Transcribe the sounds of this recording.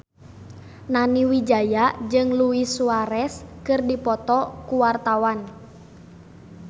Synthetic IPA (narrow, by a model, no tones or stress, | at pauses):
naniwid͡ʒajad͡ʒɨŋluisuaɾɛskɨrdipɔt̪ɔkuwart̪awan